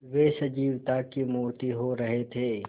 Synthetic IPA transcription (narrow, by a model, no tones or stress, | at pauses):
ʋeːsɐd͡ʒiːʋt̪akimuːt̪iɦoɾɐɦet̪ʰeː